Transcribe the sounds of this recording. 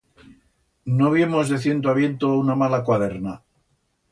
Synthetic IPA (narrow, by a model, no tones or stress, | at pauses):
noβjemo̞zðeθje̞nt̪̬oaβje̞nt̪ounamalakwaðe̞ɾna